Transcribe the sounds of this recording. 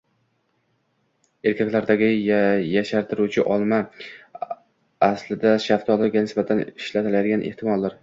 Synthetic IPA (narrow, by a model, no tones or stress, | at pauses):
e̞ɾkʲʰakʲlaɾd̪aɡʲɪjaʃaɾt̪ʰɪɾut͡ʃʰɪʔɒlˠma | aslɪd̪aʃaft̪ʰɒlˠɪɡʲanɪsbat̪ʰanɪʃlat̪ʰɪlajd̪ɪɡʲanʔe̞̰ht̪ʰɪmɒlˠd̪aɾ